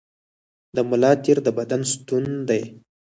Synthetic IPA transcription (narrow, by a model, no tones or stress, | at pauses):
d̪əmʊlɑt̪iɾd̪əbad̪anst̪und̪aj